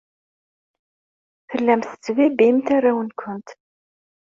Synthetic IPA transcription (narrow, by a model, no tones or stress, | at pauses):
θəlːæmθə̥t͡sːvibimθarːawənkʰʷənt̪